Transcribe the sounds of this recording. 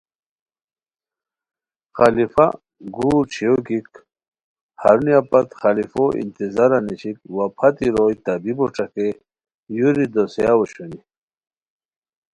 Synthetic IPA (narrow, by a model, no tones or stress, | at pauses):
xalifa̰ | ɡuːt͡ɕʰiokik | haɾuniapat̪xalifoʔḭnt̪izaɾanit͡ɕikwapʰɐt̪iɾojt̪abiboʈ͡ʂake | juɾid̪osjawoɕuni